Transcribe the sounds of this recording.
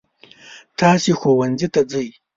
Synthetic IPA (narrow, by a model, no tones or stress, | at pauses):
t̪ʰaːsixowand͡zit̪ad͡zəj